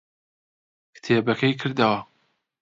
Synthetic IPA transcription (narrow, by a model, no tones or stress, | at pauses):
kt̪ʰeːbɐkʰɐjkʰɨɾd̪ɐwɐ